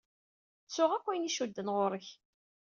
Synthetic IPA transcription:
t͡sːʊʁækʷːijniʃud̪ːənʁʊɾəç

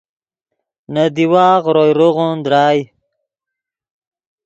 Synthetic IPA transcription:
nad̪iwaːɣɾojɾoʁond̪ɾaːj

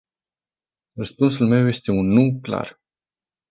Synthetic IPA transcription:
rəspuns̬ulme̞wje̞st̪e̞unːukla̰r

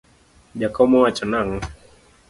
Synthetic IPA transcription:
d͡ʒakɔmɔwat͡ʃɔnaŋ̩

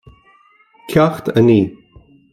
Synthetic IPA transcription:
kʰʲaxt̪ʰəniː

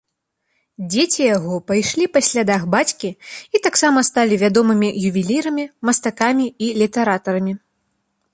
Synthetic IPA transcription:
d͡zʲet͡sʲijaɣɔpajʂlʲipasʲlʲad̪axbat͡sʲkʲiit̪aksamɐst̪alʲivʲad̪ɔmɨmʲijuvʲilʲiɾɐmʲimɐst̪akamʲiilʲit̪ɛɾat̪ɐɾɐmʲi

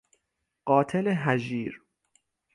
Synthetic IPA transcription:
ɢ̥ɒːt̪ʰeleɦæʒiːɾ

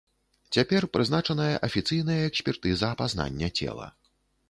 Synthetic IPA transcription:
t͡sʲapʲɛrpɾɨznat͡ʂɐnɐjɐ̰ʔɐfʲit̪sɨjnɐjɐɛksʲpʲɛrt̪ɨzɐːpazn̪a̰nʲːɐt͡sʲɛ̰lˠɐ̰

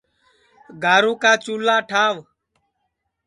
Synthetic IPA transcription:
ɡʱaːɾũːkaːt͡ʃuːlaːʈʰaːʋ

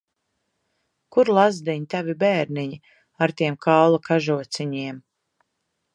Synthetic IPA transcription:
kuɾlˠazd̪iɲit̪avibɛːɾniɲi | aɾt̪iɛmkawlˠakaʒuɔt̪siɲiɛm

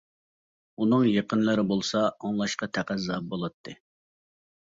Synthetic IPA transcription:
unɨŋjeqənlɨɾɪbolˠsɑɑŋlˠɑʃqɑt̪ʰæqæzɑp̚bolˠɑt̪ʰːɨ

